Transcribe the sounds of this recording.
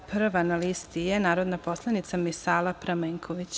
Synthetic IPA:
pr̩ʋanalist̪ijenaːɾod̪napo̞slˠanit̪samisaːlˠapɾameːŋkʰoʋit͡ɕ

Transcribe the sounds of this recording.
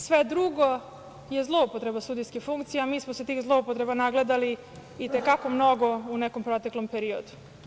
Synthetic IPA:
sʋed̪ɾuɡo | je̞zlˠo̞upot̪ɾe̞basud̪ijskixfuŋkt̪sijamiːsmoset̪iːxzlˠo̞upot̪ɾe̞banaɡled̪aliː | t̪e̞kako̞mno̞ɡo̞unekompɾot̪eklo̞mpe̞ɾio̰d̪u̥

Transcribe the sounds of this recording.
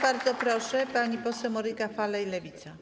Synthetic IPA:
baɾd̪zɔpɾɔʂɛpaɲipɔsɛwmɔɾɘkafalɛjlɛvʲit̪sa

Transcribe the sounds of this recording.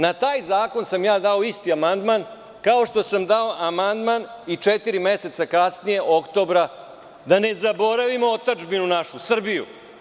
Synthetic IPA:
nat̪aːjzaːko̞nsamjaːd̪ao̞ist̪iamand̪man | kao̞ʃt̪o̞samd̪ao̞ʔamand̪manit͡ʂet̪iɾime̞se̞t̪sakasnije̞ʔokt̪o̞bɾa | d̪ane̞zabo̞ɾaʋimoot̪ad͡ʒbinunaʃusr̩bijṵ

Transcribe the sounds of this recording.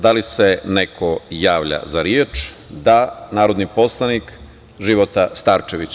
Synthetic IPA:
d̪alisenekʰojaːʋʎa̰zaɾjeːt͡ʃd̪anaːɾod̪nipo̞slˠanik | ʒiʋot̪ast̪aɾt͡ʃeʋit͡ɕ

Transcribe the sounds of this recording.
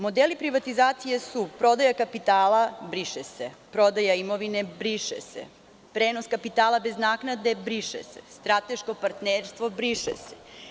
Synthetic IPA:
mo̞d̪elipɾiʋat̪izaːt̪sijesupɾo̞d̪ajakapit̪aːlabɾiʃesepɾo̞d̪ajaimo̞ʋinebɾiʃḛsḛ | pɾeːnoskapit̪aːlˠabe̞znaːknad̪e̞bɾiʃḛsḛst̪ɾat̪e̞ʃko̞paɾt̪neːɾst̪ʋo̞bɾiʃḛse̥

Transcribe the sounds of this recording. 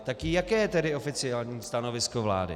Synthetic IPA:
t̪akɪjakɛːjɛt̪ɛdɪo̞fɪt͡sɪaːlɲiːst̪ano̞vɪskovla̰ːdɪ̰

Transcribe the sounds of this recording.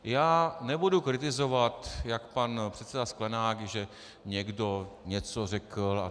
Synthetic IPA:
jaːnɛbudukɾɪt̪̬ɪzovat̪jakpanpr̥ɛt̪sɛdasklɛnaːɡʒɛ | ɲɛɡdoɲɛt͡sorɛkl̩a̰

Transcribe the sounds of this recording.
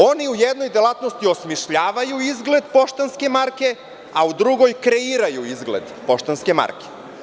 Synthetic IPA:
o̞niujed̪nojd̪elˠat̪nost̪io̞smiʃʎaːʋajuizɡle̞d̪po̞ʃt̪anske̞maɾke | aud̪ɾuɡo̞jkɾeiːɾajuizɡlḛd̪po̞ʃt̪anskema̰ɾke̥

